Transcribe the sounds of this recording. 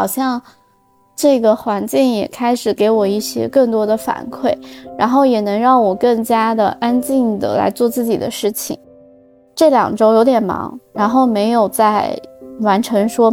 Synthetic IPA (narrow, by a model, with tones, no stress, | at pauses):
ɑ˨˩ʊɕjɑ˥˧ŋ | ʈ͡ʂɤ˥˩ɡə˩xwa˧˥nt͡ɕi˥˩ŋjɛ̰˨˩kʰa˥ɪʂɻ̩˨˩ke˧˥ɪwɔ˨˩i˥˩ɕjɛ̰˥kɤ˥˩ŋt̪wɔ˥d̪ə˨fa̰˨˩nkʰwe˥˩ɪɻa˧˥nxo˥˩ʊjɛ˨˩nɤ˧˥ŋɻɑ˥˩ŋwɔ˨˩kɤ˥˩ŋt͡ɕja˥d̪ə̰˨˩ʔa˥nt͡ɕi˥˩ŋd̪ə̰˩la̰˧˥ɪt͡swɔ˥˧t͡sɹ̩˥˩t͡ɕḭ˨˩d̪ə̰˦ʂɻ̩˥˩t͡ɕʰḭ˨˩˦ŋ | ʈ͡ʂɤ˥˩ljɑ̰˨˩ŋʈ͡ʂo˥ʊjo˧˥ʊt̪̬jɛ˨˩nmɑ̰˧˥ŋɻa˧˥nxo˥˩ʊme˧˥ɪjo˨˩ʊt͡sa˥˩ɪwa˧˥nʈ͡ʂʰɤ˧˥ŋʂwɔ˥